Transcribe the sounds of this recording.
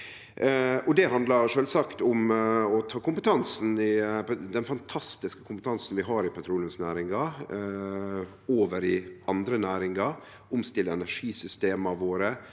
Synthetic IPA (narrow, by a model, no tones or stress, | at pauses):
ʔɔd̪ɛɦɑnd̪lɑɾʂøːlsɑkt̪ʊmɔt̪ʰɑːkʊmpət̪ʰɑnsn̩ɪd̪ɛnfɑnt̪ʰɑst̪ɪskə̥kʰʊmpət̪ʰɑnsn̩ʋɪɦɑːɾɪpʰɑt̪ʰɾuːlənsnæːɾɪŋɑ | oːʋəɾɪɑnd̪ɾənæːɾɪŋɑ | ʊmst̪ɪlːəɛnæʂiːsʏst̪eːmɑʋoːɾə